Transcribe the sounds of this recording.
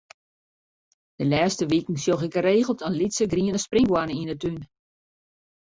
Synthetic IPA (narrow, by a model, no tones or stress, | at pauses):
d̥əlɛːstəʋikn̩sjoxɪkəreːɣəlˠtʰɔnlitsəɡriənəsprɪŋɡwanəindətyn